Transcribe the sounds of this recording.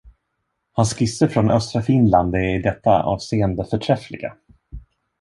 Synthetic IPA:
hanskɪsːəɾfɾɔnœ̰st̪ɾafɪnland̪d̪ɛt̪ːa̰ʔɑ̰ːvseːənd̪əfœʈʰɾɛflɪ̰ɡa̰

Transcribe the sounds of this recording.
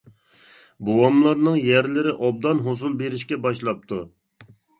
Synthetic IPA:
buwɑmlˠɑɾnɨŋjæɾlɪɾɪʔɑb̚d̪ɑnɦosulˠbeɾɪʃkʲɛbɑʃlˠɑp̚t̪ʰu

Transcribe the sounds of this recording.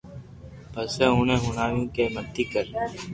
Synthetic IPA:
bəseũːnẽːɦʊnaːjũkeːmət̪ːiːkəɾ

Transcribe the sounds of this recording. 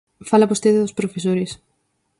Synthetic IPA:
falɐβost̪eðɪðʊspɾofesoɾɪs

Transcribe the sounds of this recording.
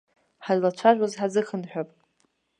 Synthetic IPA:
ħajlat͡ʃʷʰaʒʷᶣazħad͡zɨχənħᶣapʼ

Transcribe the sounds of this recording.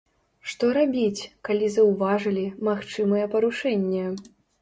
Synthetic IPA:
ʂt̪ɔɾabʲit͡sʲkalʲizɐwvaʐɐlʲimaxt͡ʂɨmɐjɛpɐɾuʂɛnʲːɛ

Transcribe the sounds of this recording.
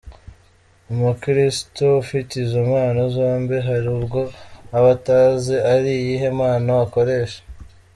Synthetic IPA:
umukɾistoufitizumaːnazo̞ːmbiɦaɾiubɡo̞aβataːzeaɾijiɦe̞maːnawako̞ɾe̞ːʃḁ

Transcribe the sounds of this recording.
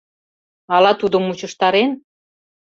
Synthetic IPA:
ɑlɑt̪ud̪ə̆mut͡ɕə̆ʃt̪ɑɾen

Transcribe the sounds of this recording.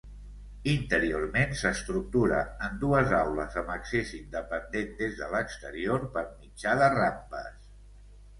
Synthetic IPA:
int̪əɾiormensəst̪ɾuk̚t̪uɾə̰ənd̪uəzawləzəməksezind̪əpənd̪end̪ezðələkst̪əɾioɾpəɾmid͡ʒaðərampə̰s

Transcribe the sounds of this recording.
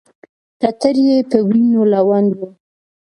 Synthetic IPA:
tat̪əɾjepəwinolawand̪wu

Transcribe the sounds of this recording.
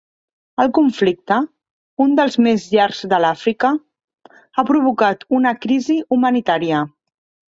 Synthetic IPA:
əlˠkuɱflik̚t̪ə | und̪əlˠzmezʎaɾzðəlafɾikə | apɾuβ̞ukat̪unəkɾiziumənit̪aɾiə

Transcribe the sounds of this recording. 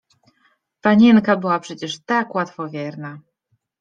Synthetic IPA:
paɲinkabɘwapʂɛt͡ɕɛʂt̪akwat̪fɔvʲjɛɾna

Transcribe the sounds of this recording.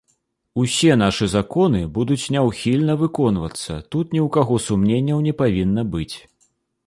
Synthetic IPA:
usʲɛn̪aʂɨzakɔnɨbud̪ut͡sʲnʲɛwxʲilʲnɐvɨkɔnvɐt̪sːɐ̰t̪ut̪nʲiwkaɣɔsumnʲenʲːɐwnʲɛpavʲinːɐbɨt͡sʲ

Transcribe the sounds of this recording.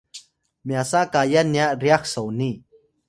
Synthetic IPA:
mjasakajaniaʔɾiaksowni

